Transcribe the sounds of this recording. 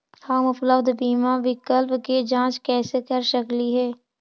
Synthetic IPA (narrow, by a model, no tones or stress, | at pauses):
hãːməpləbd̪biːmaʋɪkəlpked͡ʒãːt͡ʃkɛːsekəɾʃəkliɦɛː